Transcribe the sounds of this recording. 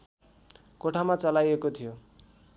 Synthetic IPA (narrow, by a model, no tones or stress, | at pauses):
koʈʰamat͡sʌlajekot̪ʰijo